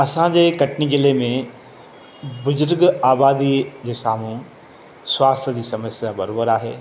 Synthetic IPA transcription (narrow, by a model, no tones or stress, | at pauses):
ɐsãd͡ʒekɐʈnid͡ʒɪlemẽ | bʊd͡ʒʊɾɡaːbaːd̪id͡ʒesaːmũ | swaːst̪ʰəd͡ʒisɐməsjabɐɾobəɾaɦɛ̰ː